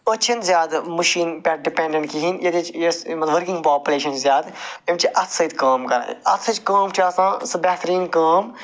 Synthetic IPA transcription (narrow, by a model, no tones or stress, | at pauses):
ət͡ʃʰɐnzʲjaːd̪məʃiːnpʲɐɖɪpẽːɳɖəɳʈkiɦinjed̪et͡ʃesmɐʋəɾkɪ̃ŋɡpaːpʲuleːʃɐnzʲjaːd̪emt͡ʃiʔɐt̪ʰsɐid̪kaːmkɐɾa̰ːɐt̪ʰːɐt͡ʃkaːmʈʰiaːsãːsɐbɛːt̪ɾiːnkaːm